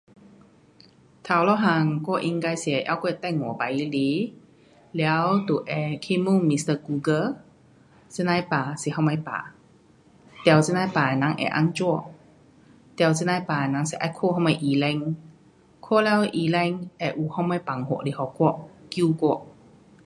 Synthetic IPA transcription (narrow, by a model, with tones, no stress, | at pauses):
t̪ʰa˨wlɔ˧˨ɦa˧ŋkɔ˧˥˧ʔi˧ŋka˧jsɛ˧˨˦ʔa̰˧˨wkɔ˧˨ɛ˧˨t̪ɛ˧˨ŋɔ˨˦pa˨ji˧˦li˨˦ | lɛ˧˦wt̪u˨ʔɛ˨˩kʰi˧˥mu˧˥˨ŋmi˧st̪ə˧ku˧ɡə˧ | t͡sə˧˨na˧˨jpaː˨˩si˨˦ɦa˧wma˧jpa̰ː˨ | t̪ɛ˧˨wt͡sə˧na˧jpaː˨na˨˦ŋʔɛ̰˨ʔa̰˧˨ŋt͡ʃɔ˧˨ | t̪ɛ˧˨wt͡sə˧nã˧jpaː˨na˨˦ŋsɛ˧˨ʔa˧˦kʰo˧˥˧hɦa˧wma˧˩jʔi˨lɛ˧ŋ | kʰɔ˥˨lɛ˧˦wʔi˨lɛ˧ŋʔɛ˨˧ʔu˨ha˧˨wma˧˨jpa˨ŋɦo̰˧˨ʔli˨˦hɔ˧˩kɔ˧˨ʔki˧kɔ˧˨ʔ